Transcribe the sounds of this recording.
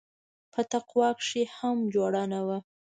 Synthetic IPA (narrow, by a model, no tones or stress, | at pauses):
pʰət̪aqwɑkʂehamd͡ʒwɑɽɑnawa